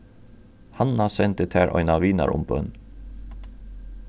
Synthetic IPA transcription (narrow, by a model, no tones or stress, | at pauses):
hanːasɛnt̪ət̪ʰæːɹʔɔ̰ʏnaʋiːna̰ɾʊ̰mbœn